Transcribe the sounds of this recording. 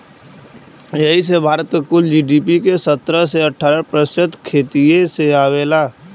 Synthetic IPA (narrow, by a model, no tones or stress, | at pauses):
jɐɦisebʱaːɾət̪kʊld͡ʒiːɖiːpikesət̪ɾəseəʈʰːaːɾəpɾəsət̪kʰeːt̪ieseaːweːlaː